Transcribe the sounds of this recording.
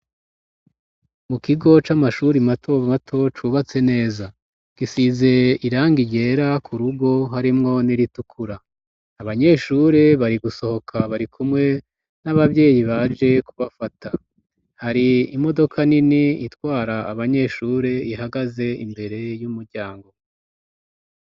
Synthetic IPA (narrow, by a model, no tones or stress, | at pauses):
mukiɡo̞t͡ʃamaʃuɾimatʰo̞matʰo̞t͡ʃuβat͡se̞ne̞ːza | ɡ̥isize̞iɾaːŋɡiɟe̞ːɾakʰuɾuɡo̞ɦaɾimŋo̞niɾitukʰuɾaː | βaɲe̞ːʃuɾeβaɾiɡuso̞ho̞kʰaβaɾikʰumŋe̞ | naβavɟe̞ːjiβad͡ʒe̞kuβafatʰa | haɾiimo̞do̞kʰaniniitwaːɾaːβaɲe̞ʃuːɾe̞ihaɡaze̞imbe̞ɾe̞jumuɾɟaːŋɡo̞